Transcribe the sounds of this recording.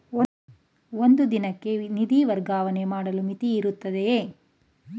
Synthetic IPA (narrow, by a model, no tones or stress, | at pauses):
ond̪ud̪inɐkːe̞nid̪iʋɐɾɡaːʋɐnemaːɽɐlumit̪iːɾut̪ːɐd̪eeː